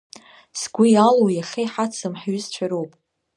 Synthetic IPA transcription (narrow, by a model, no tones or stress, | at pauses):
sɡʷijalowjaχʲejħat͡sʰɨmħɥʏst͡ʃʷʰaɾowpʼ